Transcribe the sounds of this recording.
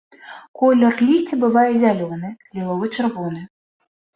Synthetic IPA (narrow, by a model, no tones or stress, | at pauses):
kɔlʲːɔrlʲisʲt͡sʲibɪʋɑjɛzʲalʲɔnɪlʲilˠɔʋɪt͡ʃerʋɔnɪ